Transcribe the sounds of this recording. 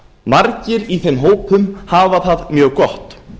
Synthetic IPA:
maɾcɪɾiθejmɦoːwpʏmhaːvaθaðmjœːɣkɔht̪

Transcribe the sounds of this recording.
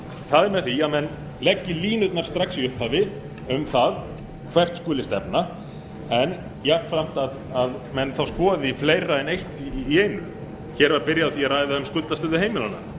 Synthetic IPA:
θaðɛɾmɛðθiaðmɛnː | lɛcːɪliːnʏt̪naɾ̥st̪ɾaksiʏhphavɪ | ʏmθað | kʰvɛr̥t̪skʏːlɪst̪ɛpna | ɛn | jaɾfɾam̥t̪að | aðmɛnθawskɔːðifleːjraɛnejht̪ːeːjnʏ | çɛːɾvaɾpɪɾjaðaθiaraːjðaʏmskʏlt̪ast̪œːðɪheːjmɪlana̰

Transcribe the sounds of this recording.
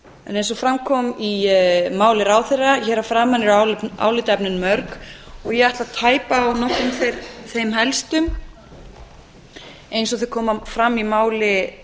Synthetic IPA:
ɛ̰nejns̬ɔfɾamkʰɔːmimaːwlɪɾaːwθeraçɛːɾafɾaːmanɪɾaa̰ːwlɪt̪ɛpnɪnmœɾkɔɣjɛɣaht̪laðt̪ʰaːjpaːwnɔhkːʏmθejɾθejmɦɛlst̪ʏm | ejnsɔθeɾ̥kʰɔːmafɾamːimaːwlɪ

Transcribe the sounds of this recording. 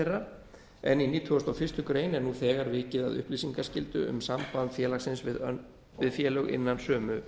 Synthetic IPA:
erːa | ɛniniːt̪ʰʏast̪awfɪr̥st̪ʏkɾeːjnɛɾnuθɛːɣaɾvɪːcɪða̰ðʏ̰hpliːsiŋkascɪlt̪ʏ̰ʏ̰msampaðnfjɛːlaxsɪnsvɪð | vɪðfjɛːlœɣɪ̰nːansœːmʏ

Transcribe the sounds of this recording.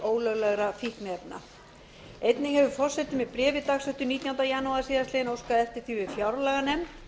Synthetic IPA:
oːwlœɣlɛɣɾafihknɛpna̰ | ejt̪nɪhɛvʏfɔr̥sɛt̪ːɪmɛðpɾɛːvɪt̪axsœht̪ʏniːt̪jawnt̪ajanuaðsiːðast̪ɛðɪnowskaðɛft̪ɪɾ̥θivɪfjawɾlɛɣanɛm

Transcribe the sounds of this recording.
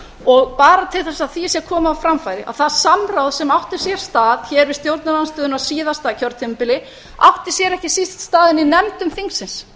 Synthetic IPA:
ɔɣpaːɾat̪ʰɪlθɛsaðθisjɛɾkʰɔːmaːwfɾamfajɾɪʔa̰ðθaðsamɾawðsɛmawht̪ɪ̥sjɛɾ̥st̪aːðçɛɾvɪ̥st̪jowɾt̪naɾanst̪œːðʏnasiːðast̪aːðcʰœɾt̪ʰɪmpɪlɪ | a̰wht̪ɪɾ̥sjɛɾɛhcɪsist̪st̪aːðɪninɛmt̪ʏmθiŋksɪns

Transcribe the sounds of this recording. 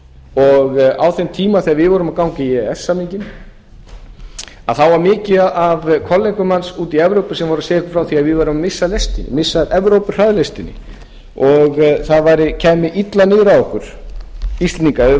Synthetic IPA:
ɔɣawθejnt̪ʰiːmaθɛɣaɾvɪðvɔːɾʏmaðkawŋcaiɛɛsːamiɲcɪn | a̰ðθawvaɾmɪːcɪaʔavkʰɔlːeŋkʏmansuːt̪iɛvɾowpɪsɛmvɔɾaseːjɪkʏ̥fɾawθiaðvɪðvaːɾʏmːɪsːalejst̪ɪnɪ̰mɪsːaðʔɛvɾowpɪ̥r̥aðlest̪ɪnɪ̰ | ɔɣθaðvajɾɪcʰɛːmɪʔit̪lanɪːɣɾaɔhkʏɾ̥ | ist̪lɪniŋkaɪ

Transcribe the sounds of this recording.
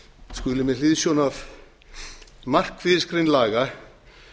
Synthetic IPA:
skʏːlɪmɛlɪːðsjɔnav | mar̥kvɪðskɾɪjnlaːɣa

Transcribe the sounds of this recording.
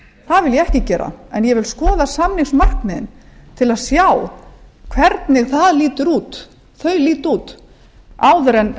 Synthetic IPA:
θaðvɪljɛɛhcɪcɛːɾa̰ɛnjɛvɪlskɔːðasamniŋsmar̥kmɪðɪ̰nt̪ʰɪlaðsjaːwkʰvɛɾt̪nɪɣθaðliːt̪ʏɾuːt̪ | θœɥliːt̪uːt̪ | aːwðʏɾɛn

